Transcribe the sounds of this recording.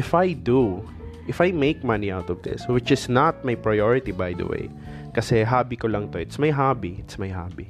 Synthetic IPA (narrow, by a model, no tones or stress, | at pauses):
ʔɪfajd̪u | ʔɪfajmeɪk̚mɐniʔawt̪ɔvd̪ɪ̰swɪt͡ʃɪsnɐt̪̚majpɹajoɹɪt̪ibajd̪ə̰wḛj | kɐsɛɦaːbikolɐŋt̪oʔɪt̪smɐjɦaːbiɪt̪smɐjɦaːbi